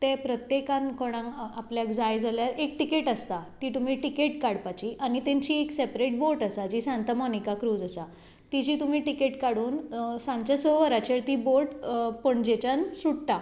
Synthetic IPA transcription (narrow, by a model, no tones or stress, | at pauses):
t̪ẽpɾət̪jekãnkoɽ̃ãŋapljakd͡zajd͡zaljaɾek̚ʈikeʈəst̪at̪iːt̪um̤iːʈikeʈkaɽpat͡ɕiʔañit̪ẽɲt͡ɕieksepɾeʈ̚boʈəsad͡ʑiːsãnt̪əmɔnikakɾuːd͡zəsa | t̪id͡ʑiːt̪um̤iːʈikeʈkaɽuːnsãmt͡ɕasoʋəɾat͡ɕeɾt̪iːboʈpəɳd͡ʑet͡ɕansuɽt̪a